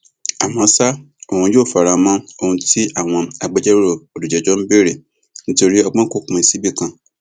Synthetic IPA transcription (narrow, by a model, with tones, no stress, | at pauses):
a˨mɔ̃˨˧˦sa˦ | o˦˨ũ˧˦joː˦˨fa˨ɾa˨mɔ̃˦o˧hũ˧ti˦a˦˨w̃ɔ̃˧a˨ɡ͡bɛ˦d͡ʒɛ˦ɾo˦˨o˨du˨d͡ʒɛ˨d͡ʒɔ˦n̩˦be˦˨ɾe˦˨ | nĩ˦to˧ɾi˦ɔ˧ɡ͡bɔ̃˦ko˦˨kũ˧˦i˨˧si˨˦bi˦˨kã˧